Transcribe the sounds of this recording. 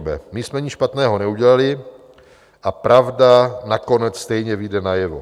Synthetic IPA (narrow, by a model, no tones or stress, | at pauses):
bɛ̰mɪsmɛɲɪʃpat̪nɛːɦo̞nɛuɟɛlalɪ | ʔapɾavdanako̞nɛt͡sst̪ɛjɲɛvɪdɛnajɛvo̰